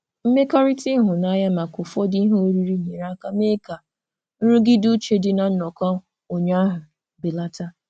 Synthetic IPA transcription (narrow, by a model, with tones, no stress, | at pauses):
m̩˦me˦ka˦ɾi˦ti˦ɦʊ˨na˦ja˦ma˨kʊ˨fɔ˦di˦ɦo˦ɾi˦ɾi˦ɲe˨ɾa˦ka˦me˦ka˨ | n̩˦ɾu˦ɡɪ˦du˦t͡ʃe˦dɪ˦na˨n̩˦nɔ˨kɔ˦ | o˨ɲa˦ɦʊ˨ | bɪ˨la˦ta˦